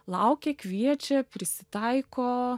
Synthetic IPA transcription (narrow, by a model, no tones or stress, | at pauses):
lˠɐʊkʲeːkʋʲiɛt͡ʃʲɛpʲɾʲɪsʲɪt̪ɐɪkoː